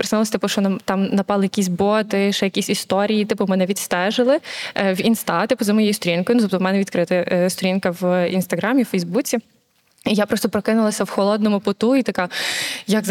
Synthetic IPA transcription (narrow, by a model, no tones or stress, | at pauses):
pɾɪsɪlˠɐsʲt̪ɪpʊʃɔnt̪ɑmnɐpɑlˠɪjɐkʲisʲbɔt̪ɪʃɛjɐkʲisʲist̪ɔɾʲijit̪ɪpʊmɛnɛʋʲid̪st̪ɛʒɪlˠɪwinst̪ɑt̪ɪpʊzɐmɔjɛjist̪ɔɾʲinkɔjnut̪ɔpt̪ɔmɛnɛʋʲid̪kɾɪt̪ɪst̪ɔɾʲinkɐwinst̪ɐɦɾɑmʲiwfɛjzbut͡sʲi | ijapɾɔst̪ɔpɾɔkɪnʊlˠɐsʲɐwxɔlˠɔd̪nɔmʊpʊt̪uit̪ɐkɑjɐɡz